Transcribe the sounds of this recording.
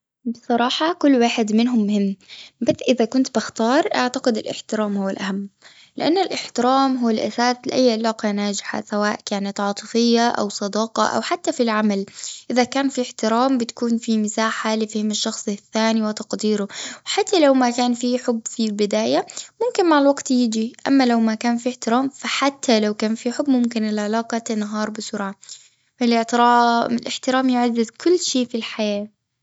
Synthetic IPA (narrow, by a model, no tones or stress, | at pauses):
bɨsˤɑɾˤɑːħɑkʊlːwaːħɪd̪mɪnɦʊmːʊhɪmːbaθʔɪðakʊnt̪bɪxt̪ɑːɾˤʔaʕt̪aqɪd̪ɪlʔɪ̰ħt̪ɪɾaːmhʊwːalʔahamː | lɪʔanːalʔɪħt̪ɪɾaːmɦuːalʔa̰saːslɪʔajːʕɪlɑːqɑnaːd͡ʒɪħa̰sawaːʔkaːnat̪ʕɑːt̪ˤɨfɪjːaʔa̰wsˤɑd̪ɑːqɑ̰ʔa̰wħat̪ːafilʕamalʔɪðakaːnfiħt̪ɪɾaːmbɪt̪ḁkuːnfimɪsaːħalɪfɪhɪmɪʃːɑxsˤθːaːniwɪt̪ɑqd̪iːɾʊwħat̪ːalawmakaːnfiħʊbːfilbɪd̪aːjamʊmkɪnmaʕɪlwaɡt̪jɪd͡ʒiʔa̰mːalawmakaːnfiħt̪ɪɾaːmfaħat̪ʰːalawkaːnfiħʊbːmʊmkɪnɪlʕalɑːqɑt̪anːaɦɑːɾˤbɪsʊɾʕa | ɪlɪħt̪ɾaːmɪlʔɪħt̪ɪɾaːmjʊʕad̪ːɪd̪kʊlːʃiːfilħajaː